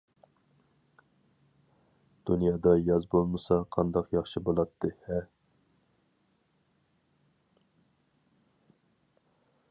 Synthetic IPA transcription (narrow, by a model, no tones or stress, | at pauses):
d̪̥unjɑːd̪ɑjɑzbolˠmɨsɑqʰɑnd̪ɑqjɑχʃibolˠɑt̪ʰːɨhɛ